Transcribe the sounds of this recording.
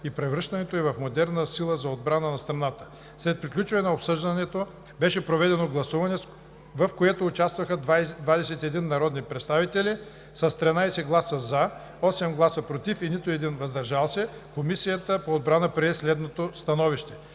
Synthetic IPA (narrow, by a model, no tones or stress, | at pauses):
ipɾɛvɾɤʃt̪ɐnɛt̪oɛvɐfmod̪ɛɾnəsilˠəzɐod̪̚bɾanənɐst̪ɾɐnat̪ə̥ | slɛt̪̚pɾiklʲut͡ʃvɐnɛnɛopsɤʒd̪ɐnɛt̪o | bɛʃɛpɾovɛd̪ɛnoɡlˠɐsuvɐnɛ | vɐfkoɛt̪oːt͡ʃast̪vɐxəd̪vd̪vad̪ɛsɛt̪ɛd̪inːɐɾɔd̪nipɾɛt̪st̪avit̪ɛli | sɐst̪ɾɛnajsɛɡlˠasəzɐ | ɔsɛmɡlˠasəpɾot̪ifinit̪oɛd̪invɐzd̪ɐɾʒalˠsɛkomisijət̪əpoːd̪̚bɾanəpɾɛslɛd̪not̪ost̪ɐnɔviʃt̪ɛ